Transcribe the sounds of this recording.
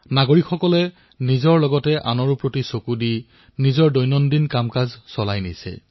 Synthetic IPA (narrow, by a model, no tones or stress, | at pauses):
naɡoɹikʰxɔkɔlɛ | nizɔɹlɔɡɔtɛʔa̰nɔɹupɹotisokudi | nizɔɹdɔjnɔndinkamkazsɔlajnḭsɛ̰